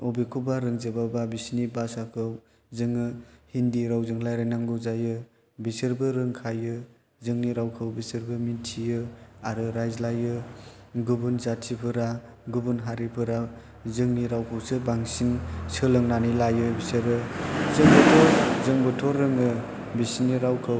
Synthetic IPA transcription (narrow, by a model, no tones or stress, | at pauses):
ɔbikʰubaɾɯŋzɯbababisnibasakʰɯw | zɯŋɯhindiɾawzɯŋlajɾɯnaŋɡɯwzajɯ | bisɯɾbɯɾɯŋkʰajɯ | zɯŋniɾawkʰɯwbisɯɾbɯmintʰijɯaɾɯɾajzlajɯɡubunzatʰipʰɯɾa | ɡubunɦaɾipʰɯɾa | zɯŋniɾawkʰɯwsɯbaŋsinsɯlɯŋnanilajɯbisɯɾɯzɯŋbɯtʰɔɾzɯŋbɯtʰɔɾːɯŋɯ | bisniɾawkʰɯw